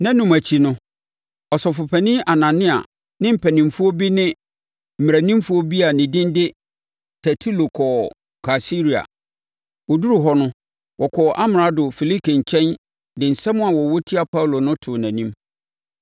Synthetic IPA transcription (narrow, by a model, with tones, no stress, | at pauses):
nã˦nʊ̃˨mæ˨t͡ɕʰi˨nʊ̃˦ | ɔ˨sɔ˨fʊ˨pʰæ˨nĩ˦ʔa˨nã˨nɪ̃˦a̰˨ | nɪ̃˦m̩˦˨pʰɛ˨nɪ̃˨mfu˦ɔ˦bi˦nɪ̃˦ | m̩˨m˨ɾæ˨nĩ˦mfu˦ɔ˦bi˦a˨nɪ̃˨dɪ̃˦ndɪ˦ | tʰɛ˨tʰu˦lo˨kʰɔ˨ | kʰa˨si˦ɾi˨a̰˨ | wɔ˨du˦ɾu˨ɦɔ˦nʊ̃˦ | wʔɔ˨kʰɔ˨ʔa˦mɪ˨ɾa˦dʊ˨fi˨li˦kʰi˨ɲ̩˨t͡ɕʰɛ̃˦n | dɪ̃˨n̩˨sɛ̃˦mʊ̃˦a˨wɔ˨wo˦tʰi˦a˨pʰa˦u˨lo˨nʊ̃˦tʰʊ˨næ̃˨nĩ˦m